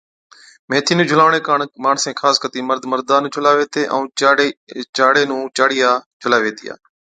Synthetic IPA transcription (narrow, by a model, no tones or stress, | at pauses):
mẽːt̪ʰiːnũːd͡ʒʱʊlaːʋɳeːkaːɳmaːɳsẽːkʰaːskət̪iːməɾd̪məɾd̪aːnũːd͡ʒʱʊlaːʋeːt̪eːʔə̃ː | t͡ʃaːɽeːnũːt͡ʃaːɽɪjaːd͡ʒʱʊlaːʋeːt̪ḭja̰ː